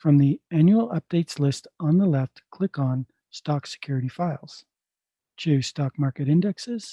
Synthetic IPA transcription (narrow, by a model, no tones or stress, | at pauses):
fɹʌ̃mðiæ̃njul̩ˠʌ̰p̚d̥eɪtslɪstn̩ðəlɛftkʰl̥ɪkn̩ | stɑksɨ̥kʰj̥ʊɹɨɾifaɪlˠz̥ | tʰʉstɑk̚mɑɹkɨɾɪ̃ndɨksɪz̥